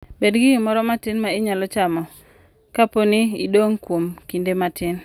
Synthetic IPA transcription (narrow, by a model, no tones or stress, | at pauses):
bedɡɪmɔɾɔmatɪnmaɪɲalɔt͡ʃamɔ | kaponiḭdoŋkwomkindematɪn